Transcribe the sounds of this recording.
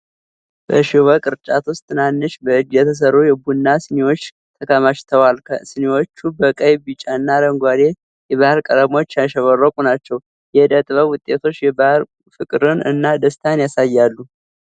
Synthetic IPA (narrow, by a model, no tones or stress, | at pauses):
b̥əʃiwəkʼɨɾt͡ʃʼat̪wʊst̪ʰːɨnanːɨʃbəɨd͡ʒːjɛt̪ʰəs̬əɾojɛbunːasɨnewo̞t͡ʃː | t̪ʰəkʰəmaʃt̪ʰəwalkʰəsɨnewo̞t͡ʃːubəkʼəjbit͡ʃʼanːad̪əŋɡʷad̪e̞ | jɛβahɨɾkʼəɾəmo̞t͡ʃːjaʃɛβərːəkʷʼunat͡ʃːɛw | jɛd̪ət̪ʼβəwʊt̪ʼːe̞t̪ʰo̞t͡ʃːjɛbahɾ | fɨkʼɨɾɨnɨ̰nːad̪əst̪ʰanjasajːalːu